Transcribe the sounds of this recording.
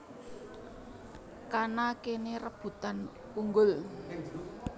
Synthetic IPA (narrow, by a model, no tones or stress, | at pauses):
kanakenerəb̥ṳt̪an | uŋɡʊl